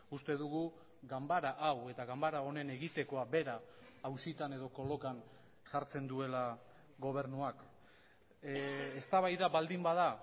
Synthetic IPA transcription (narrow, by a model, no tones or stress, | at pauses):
ust̪eðuɣu | ɡambaɾaʔawe̞t̪aɣambaɾao̞ne̞ne̞ɣit̪e̞ko̞abe̞ɾaː | wsit̪ane̞ð̞o̞ko̞lo̞kan | saɾt͡se̞nd̪ue̞la | ɡo̞β̞e̞ɾnuak | est̪aβajðaβald̪imbaða